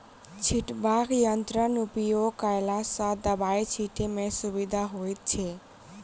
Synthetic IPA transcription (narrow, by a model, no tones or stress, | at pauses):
t͡ʃʰiʈbakjənt̪ɾənupijokajlasad̪əbait͡ʃʰiʈemẽsubid̪ʱaɦojt̪̚t͡ʃʰe